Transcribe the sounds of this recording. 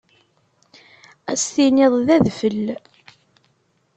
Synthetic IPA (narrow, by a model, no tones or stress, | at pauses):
æsθinɪðˤðæðfəlː